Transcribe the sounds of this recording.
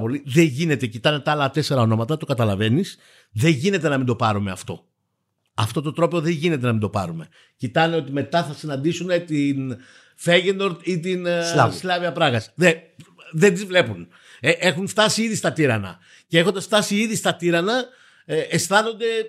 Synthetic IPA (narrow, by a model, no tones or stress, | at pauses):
po̞liðe̞ɲʝine̞t̪e̞cit̪ɐne̞t̪ɐlɐt̪e̞se̞ɾɐo̞no̞mɐt̪ɐt̪okɐt̪ɐlɐve̞nis | ðe̞ɲʝine̞t̪e̞nɐmind̪o̞pɐɾumeɐft̪o̞̰ | ɐft̪o̞t̪o̞t̪ɾo̞peoðe̞ɲʝinet̪e̞nɐmind̪o̞pɐ̰ɾume̞ | cit̪ɐneo̞t̪ime̞t̪ɐθɐsinɐnd̪isunet̪in | feʝend̪o̞ɾt̪it̪insslɐviɐpɾɐɣɐsðeðed̪izvle̞pun | eʔexuɱft̪ɐsiiðist̪ɐt̪iɾɐnɐ̰ | ce̞exo̞nd̪ɐsft̪ɐsiiðist̪ɐt̪iɾɐnɐː | sθɐno̞nd̪e̞